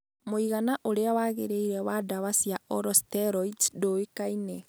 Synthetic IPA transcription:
moiɣanaʔoɾeawaːɣḛɾeiɾɛwadawasijaɔɾɔstɛɾɔitdoekainɛ

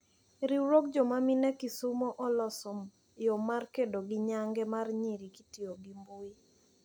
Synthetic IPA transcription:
ɾiwɾok̚d͡ʒɔmaminɛkisumoʔɔlɔsɔm | jomarkedoɡɪɲaŋɡɛmarɲiɾikitioɡimboɪ

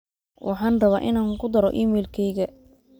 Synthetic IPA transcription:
wʔɑ̰ħɑːnrɐβaːʔɪnaːŋkʰʊd̪ɐɾɔʔiːmɛːlkʰɛjɣɐ

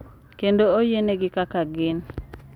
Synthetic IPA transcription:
kendoojeneɡɪkakaɡɪn

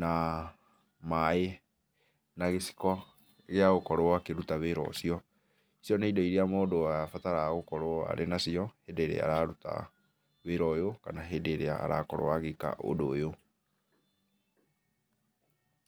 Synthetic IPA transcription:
na | mae | naɣesi̥kɔ | ɣeaɣokɔɾoakeɾutaβeɾɔ̰siɔ | isiɔneidɔiɾeamoːdoafataɾaɣokɔɾoa̰ɾʔenasiɔhedeɾḛa̰ɾaɾuta̰ | weɾɔjokanaɦedeɾea̰ːɾa̰kɔɾo̰aɣeka̰ʔo̰dojo

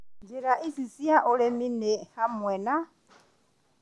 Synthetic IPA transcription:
nd͡ʒiɾaʔisisiaʔuɺɛminɛhamwɛːna

